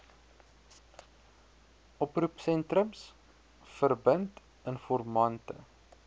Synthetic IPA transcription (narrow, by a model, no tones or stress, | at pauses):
ʔɔprupsɛntrəms | fərbənt | ənfɔrmɐntə̰